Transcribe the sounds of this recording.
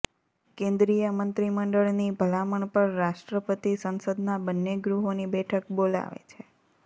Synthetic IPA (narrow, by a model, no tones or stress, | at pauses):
kẽnd̪ɾijəmənt̪ɾiməɳɖəɭnibʱəlaməɳpəɳɾaʃʈɾəpət̪isənsəd̪nabənːeɡɾuɦonibɛʈʰəkbola̰ʋḛt͡ʃʰe